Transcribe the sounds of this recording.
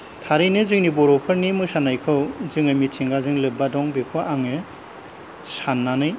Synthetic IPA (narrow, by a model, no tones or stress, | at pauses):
tʰaɾɯjnɯzɯŋnibɔɾɔpʰɯɾnimɯsanajkʰɯwzɯŋɯmitʰiŋɡazɯŋlɯbadɔŋbekʰɯwʔaŋɯ | sanːanɯj